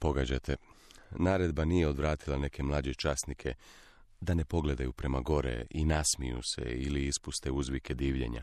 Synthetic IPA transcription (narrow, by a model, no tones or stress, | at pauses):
po̞ɡad͡ʑa̰t̪ʰe̞naːɾe̞d̪banijeo̞d̪ʋɾaːt̪ilˠane̞ke̞mlˠaːd͡ʑet͡ʃasnikʰe̞ | d̪ane̞po̞ɡle̞d̪ajupɾe̞maɡo̞ɾḛinasmijṵsḛiliispust̪euzʋike̞d̪iːʋʎe̞̰ɲa̰